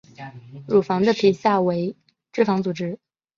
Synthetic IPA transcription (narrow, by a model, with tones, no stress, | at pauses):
ɻu˨˩fɑ˧˥ŋd̪ə˧pʰi˨˩ɕja˥˩we˧˥ɪ | ʈ͡ʂɻ̩˥˩fɑ˧˥ŋt͡su˨˩ʈ͡ʂɻ̩˥